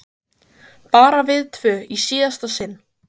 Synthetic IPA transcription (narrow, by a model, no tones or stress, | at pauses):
paːɾavɪðt̪ʰvœːisiːast̪asɪn